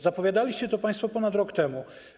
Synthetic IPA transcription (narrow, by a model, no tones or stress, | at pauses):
zapɔvʲjad̪alʲiɕt͡ɕɛt̪ɔpaj̃st̪fɔpɔnat̪ɾɔkt̪ɛmu